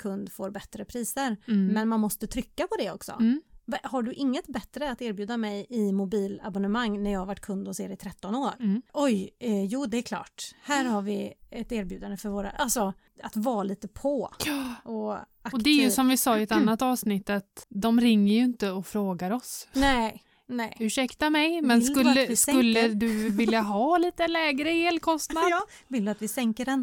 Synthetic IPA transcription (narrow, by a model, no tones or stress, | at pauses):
kʰɵnd̪foːɾbɛt̪ɾəpʰɾiːsəɾmɛnmanmɔst̪ət̪ʰɾʏkːapʰɔd̪ɛɔksɔ̰haɖɵʔɪŋːət̪bɛt̪ɾəat̪eːɾbjʉ̟ːd̪amɛjɪmʊbiːla̰bɔnəmaŋːnæɾjɑːhavaʈːkʰɵnd̪ɔseːɾɛɪt̪ʰɾɛt̪ːɔnoːɾʔɔjjuːd̪ɛːkʰlɑ̰ːʈhæːɾhaɾvɪɛt̪æːɾbjʉ̟ːd̪and̪əfœɾvoːɾa̰ʔalsɔ | at̪vɑːliːt̪əpʰɔʔɔ | aɔd̪ɛɛjʉsɔmvɪsɑːɪɛt̪anːat̪ːɑːvsnɪt̪ːat̪d̪ɔmɾɪŋːəjɵɪnt̪əɔfɾoːɡaɾɔsnɛ | nɛɪʉʂɛkt̪amɛjmɛnskɵlːəɪskɵlːəd̪ɵvɪljaɦɑːliːt̪əlɛːɡɾəeːlkʰɔst̪nad̪ | vɪld̪at̪vɪsɛŋkəɖɛn